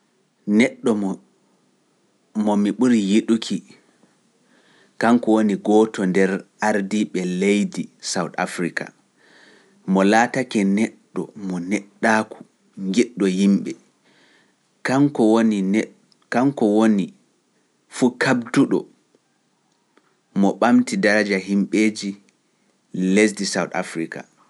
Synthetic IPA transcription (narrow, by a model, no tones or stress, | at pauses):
nɛɗːɔ | mɔmiɓuɾijiɗukʰi | kaŋkɔwoniɡɔtɔndɛɾʔaɾdiɓɛlejdisawta̰fɾika̰ | mɔlatakɛnɛɗːɔ̰mɔnɛɗːaːku̥ | ŋɡɛɗːɔjimɓɛ | kaŋkɔwoni | kaŋkɔwoni | fukʰabduɗɔ̰ | mɔɓamtidaɾad͡ʒaɦimɓeːd͡ʒi | les̬disawta̰fɾika̰